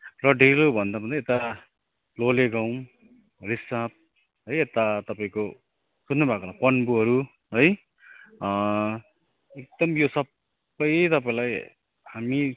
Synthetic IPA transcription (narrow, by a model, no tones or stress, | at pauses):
rʌɖʱeɾobʱʌnd̪abʱʌnd̪ʌet̪a | loleɡaw̃m | risap̚ | ɦojet̪at̪ʌpaĩko | sunːubʱakolapʌnbuɦʌɾu | ɦoj | ek̚d̪̥ʌmjosʌb | ʌjt̪ʌpaĩlaj | hami